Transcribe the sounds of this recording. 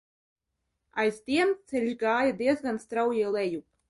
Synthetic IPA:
a̰jzt̪ʲiɛmt̪sɛlʲʒɡaːjad̪ʲiɛzɡanst̪ɾawjɛlɛjup

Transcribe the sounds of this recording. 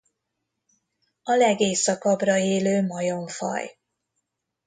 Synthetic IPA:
ɒlɛɡeːsːɒkɒbrɒeːløːmɒjo̞ɱfɒ̰j

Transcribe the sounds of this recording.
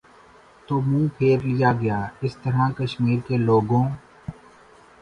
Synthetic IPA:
t̪oːmũːpʰeːɾlɪjaːɡəjaːɪst̪əɾãːkəʃmiːɾkeːloːɡõː

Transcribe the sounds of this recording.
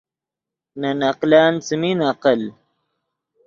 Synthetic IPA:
nanaqlaːnt͡səminaqəl

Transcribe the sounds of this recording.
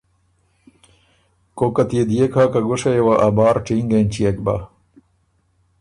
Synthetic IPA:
kokɐt̪ied̪ijekʰaːkaɡoʂɐjewaʔabaːɾʈ͡ʂiŋɡent͡ɕijek̚ba̰

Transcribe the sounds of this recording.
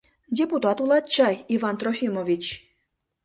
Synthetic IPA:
dʲeput̪ɑt̪ulˠɑt̪̚t͡ɕɑjivɑnt̪ɾofʲimovʲit͡ɕ

